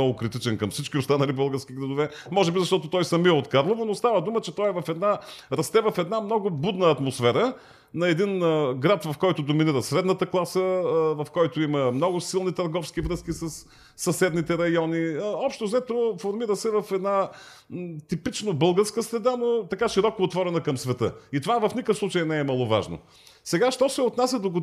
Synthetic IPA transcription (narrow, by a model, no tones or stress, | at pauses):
ɔɡʊkɾit̪it͡ʃɛnkɐmfsit͡ʃkʲiost̪anɐlibɤlˠɡəɾsk̟ʲiɡɾɐd̪ʊvɛ | mɔʒɛbizɐʃt̪ɔt̪ʊt̪ɔjsɐmiəot̪kaɾlˠovonost̪avəd̪umət͡ʃɛt̪ɔjɛvɐfɛd̪naɾɐst̪ɛvɐfɛd̪namnɔɡʊbud̪nəɐt̪mosfɛɾə | nɐɛd̪inɡɾat̪vɐfkɔjt̪ʊd̪ominiɾəsɾɛd̪nət̪əklˠasəvɐfkɔjt̪ʊiməmnɔɡʊsilˠnit̪ɐɾɡɔfskivɾɤskisɐsː | ɐsɛd̪nit̪ɛɾɐjɔniɔpʃt̪ozɛt̪ofoɾmiɾəsɛvɐfɛd̪na | t̪ipit͡ʃnobɤlˠɡəɾskəsɾɛd̪anot̪ɐkaʃiɾɔkoːt̪vɔɾɛnɐkɐmsvɛt̪ɤ̰it̪ovavɐfnikəfslˠut͡ʃəjnɛɛmɐlˠova̰ʒno̰ | sɛɡaʃt̪ɔsɛot̪nasʲəd̪oɡo